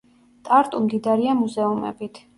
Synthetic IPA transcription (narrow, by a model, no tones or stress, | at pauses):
t̪ʼaɾt̪ʼumd̪id̪aɾiamuzɛumɛ̰bit̪ʰ